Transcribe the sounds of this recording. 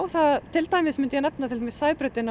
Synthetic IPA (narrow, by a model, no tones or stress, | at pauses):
wθat̪ʰɪlt̪aːjmɪsmʏnt̪ʏjɛnɛp̚nat̪ʰɪlamɪsaːjpɾœɥt̪ɪna